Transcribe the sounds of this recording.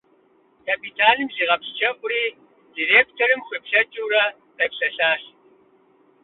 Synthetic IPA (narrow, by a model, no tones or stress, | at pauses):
kʰɐpʰitʰaːnɨmziːʁɐpst͡ʃʰɐkʷʼʊɾiː | direːk̚tʰoɾɨmχʷipɬɐt͡ʃʼuwɾɐ | rɐpɬɐɬaːɬ